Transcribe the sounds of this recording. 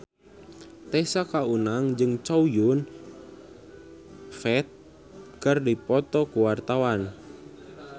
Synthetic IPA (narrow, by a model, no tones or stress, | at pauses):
t̪ɛsakaunaŋd͡ʒɨŋt͡ʃaujʊn | fɛt̪̚ | kərdipɔt̪ɔkuwart̪awan